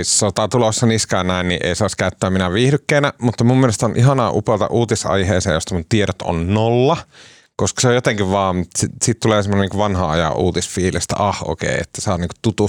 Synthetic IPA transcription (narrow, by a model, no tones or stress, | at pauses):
issot̪ɑt̪ulosːɑniskæːnnæinnḭʔḛˑisɑˑiskæˑyt̪ːæːminæʋiːhdykːeːnæmut̪ːɑmumːielest̪onʔiɦɑnɑːʔupelt̪ɑ̰ʔuːt̪isɑ̰iheːsḛːjost̪ɑmunt̪ieɾot̪o̰nnolːɑ | koskɑ̥seojjot̪eŋkiʋʋɑːmmut̪ːisiːt̪t̪uleːsemːoneniŋkuʋʋɑnhɑɑjɑ̰ʔuːt̪isfiːlist̪æ̰ʔɑhʔo̰kḛˑiḛt̪ːæsɑːniːŋko̥t̪ut̪u